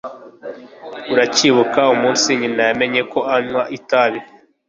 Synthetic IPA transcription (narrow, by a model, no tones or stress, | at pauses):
uɾaciːβukaumũːnsiɲinajame̞ɲe̞ko̞aɲwaʔitaβi